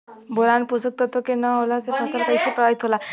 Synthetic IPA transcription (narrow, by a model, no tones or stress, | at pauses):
boɾanpusək̚t̪ɔt̪okenəɦolasepʰɔsəlpəjsepɾəait̪ɦola